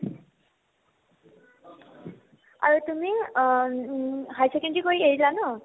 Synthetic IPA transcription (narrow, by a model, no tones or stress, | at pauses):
ʌ̰ɹut̪umi | ɦajsekenʈikoieilanu